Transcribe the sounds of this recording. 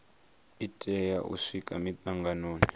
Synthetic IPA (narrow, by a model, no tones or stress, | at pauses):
itʼɛjaʔṵʂikʼamitʼaŋɡanoːni